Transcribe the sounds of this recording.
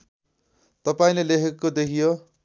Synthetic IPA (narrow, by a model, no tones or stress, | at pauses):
t̪ʌpaĩlelekʰekːod̪ekʰijo